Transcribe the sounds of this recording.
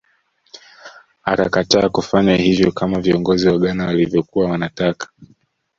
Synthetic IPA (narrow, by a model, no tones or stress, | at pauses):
a̰kakataːkufaɲahivjɔkamaviɔŋɡɔziwaɠanawalivjɔkuwawanatakḁ